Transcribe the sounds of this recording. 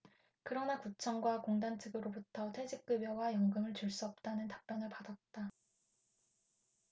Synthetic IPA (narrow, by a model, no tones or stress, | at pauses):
kɯɾʌnakut͡ɕʰʌŋɡwakoŋdant͡ɕʰɯɡɯɾobutʰʌtʰwed͡ʑik̚k͈ɯbjʌwajʌŋɡɯmɯɭt͡ɕuɭs͈uʌp̚t͈anɯntḁp̚p͈jʌnɯɭpadat̚t͈a